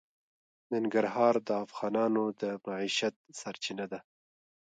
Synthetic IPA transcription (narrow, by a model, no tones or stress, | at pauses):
naŋɡaɾɦɑːɾd̪əafɣɑːnɑnod̪əmaʕiʃat̪̚saɾt͡ʃɪnad̪a